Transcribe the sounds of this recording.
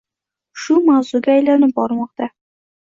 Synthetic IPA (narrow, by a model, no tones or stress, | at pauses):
ʃʊmawzʊɡʲaːjlanɪp̚bɒɾmɒqt̪a